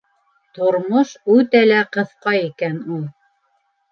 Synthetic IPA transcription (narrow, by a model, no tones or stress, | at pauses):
t̪ŏɾmoʃʉt̪ælæqɤ̆θqɑjikænulˠ